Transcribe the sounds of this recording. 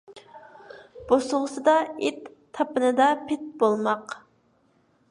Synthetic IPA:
b̥osʊʁəsɨd̪ɑet̪ʰː | ɑpɨnɨd̪ɑpʰɪt̪̚bolˠmɑq

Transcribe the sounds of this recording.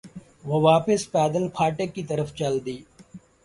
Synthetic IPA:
ʋoːʋaːpɪspɛːd̪əlpʰaːʈekːit̪əɾəft͡ʃəld̪iː

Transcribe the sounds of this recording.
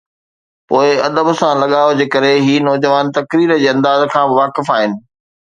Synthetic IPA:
poːɪɐd̪əbsãlɐɠaːjod͡ʑeːkɐɾeɦiːnɔːd͡ʑəʋaːnt̪ɐkɾiːɾəd͡ʑeːɐ̃nd̪aːzkʰãːbɪʋaːkɪfaːɦɪnɪ̆

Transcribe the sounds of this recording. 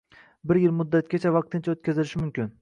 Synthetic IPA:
bɪɾjɪlˠmʊd̪ːat̪̚kʲat͡ʃʰavɑq̚t̪ʰɪnt͡ʃʰaot̪̚kʲʰazɪlɪʃɪmʊmkʲɪn

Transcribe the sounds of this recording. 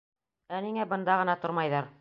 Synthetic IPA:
æniŋæbɤ̆nd̪ɑʁɤ̆nɑt̪ŏɾmɑjðɑɾ

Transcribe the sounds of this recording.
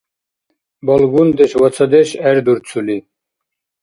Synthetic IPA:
bɔlɡund̪ɛʃwat͡sʰɐd̪ɛʃɛɾd̪uɾt͡sʰuli

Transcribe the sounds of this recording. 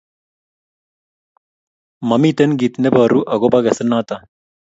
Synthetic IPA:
mɐmit̪enɡit̪nebɐːɾuʔɐɡobɐɡɐsɐnaːt̪a

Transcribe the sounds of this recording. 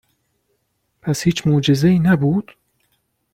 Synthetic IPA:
pʰæshiːt͡ʃʰmoːd͡ʒe̞zeiːnæbuːd̪̥

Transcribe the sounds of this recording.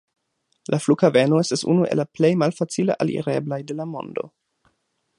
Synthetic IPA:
lʔaflukavenoestasṵnuʔe̞̰laplejmalfat͡sila̰ʔalḭɾeblajde̞lamo̞̰ndo̞̰

